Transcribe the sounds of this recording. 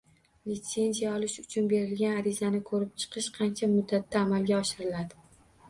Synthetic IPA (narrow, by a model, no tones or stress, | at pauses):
lɪt̪se̞nzijaɒlɪʃʊt͡ʃʰʊnbe̞ɾɪlɡʲanaɾɪzanɪkʰɵɾɪp̚t͡ʃʰɨ̥qʰɨʃqʰɑnt͡ʃʰamʊd̪ːat̪ːaːmalɡʲaɒʃɪɾɪlad̪ɪ